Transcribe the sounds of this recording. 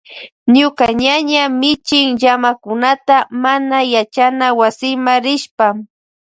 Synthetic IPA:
ɲʊkaɲaɲamɪt͡ʃɪŋʎamakʊnat̪amanajat͡ʃanawasɪmaɾɪʃpa

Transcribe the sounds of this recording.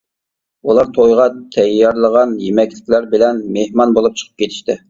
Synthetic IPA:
ulˠɑɾt̪ʰojʁɑt̪ʰɛjːɑɾlˠəʁɑnjemɛkʲlɪkʲlæɾbɪlɛnmehmɑnbolˠup̚t͡ʃʰə̥qʰə̥p̚kʲet̪ʰɪ̥ʃt̪ɪ

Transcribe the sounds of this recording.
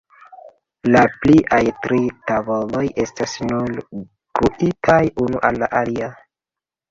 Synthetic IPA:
lapliʔajtɾitabo̞lo̞je̞stasnul | ɡ̥uʔitʰajunuʔalːaʔalia

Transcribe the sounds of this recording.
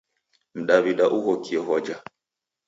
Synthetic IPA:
m̩ɗaβiɗaʔuɣɔkiɛɦɔd͡ʒa

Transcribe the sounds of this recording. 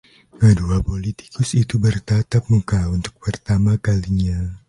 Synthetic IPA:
kəduapolit̪i̥kʰʊsit̪ubərt̪at̪ap̚mukaunt̪ʊ̥k̚pərt̪amakaliɲa

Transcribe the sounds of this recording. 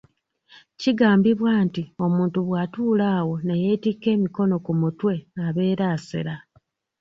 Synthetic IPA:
ciɡaːmbiβwaːntio̞muːntuβwaːtuːlaːwo̞neje̞ːtike̞ːmiko̞no̞kumutwe̞aβe̞ːɾaːsḛɾa

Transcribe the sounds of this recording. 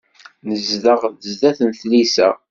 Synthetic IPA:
nəzðəʁðəzðæθənθlisæ̰

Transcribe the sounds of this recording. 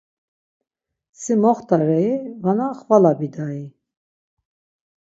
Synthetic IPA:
simɔχt̪aɾɛivanaχvalabid̪ai

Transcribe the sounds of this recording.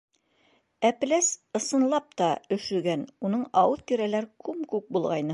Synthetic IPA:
æplæsɤ̆sɤ̆nlˠɑp̚t̪ɑɵ̆ʃɵ̆ɡænunɤɴɑwɤðt̪iɾælæɾkʉmkʉk̚bulˠʁɑjnɤ

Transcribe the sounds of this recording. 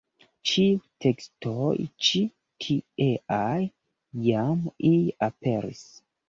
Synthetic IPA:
t͡ʃitʰekstʰojt͡ʃi | kʰieʔaj | jamiape̞ɾḭs

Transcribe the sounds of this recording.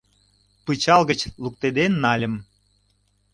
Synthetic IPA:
pɨt͡ɕɑlɣət͡ɕluk̚t̪ed̪enːɑlʲəm

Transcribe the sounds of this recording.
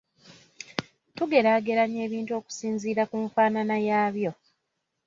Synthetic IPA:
tuɡe̞ɾaːɡe̞ɾaɲe̞ːβiːntuo̞ːku̥siːnziːɾakuɱfaːnanajaːβjo̞

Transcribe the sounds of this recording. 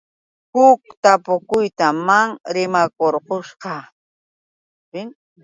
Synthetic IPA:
hʊk̚t̪apʊkʊjt̪amaŋɾɪmakoɾqoʃɢɑ | pɪŋ

